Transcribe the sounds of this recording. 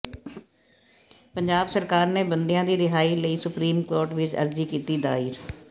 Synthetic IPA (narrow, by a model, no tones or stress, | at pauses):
pəɲd͡ʒaːbsəɾkaːɾneːbənd̪ɪjãːd̪iːɾɪɦaːiːləiːsʊpɾiːmkoːɾʈʋɪt͡ʃə̰ɾd͡ʒiːkiːt̪iːd̪aːiːɾ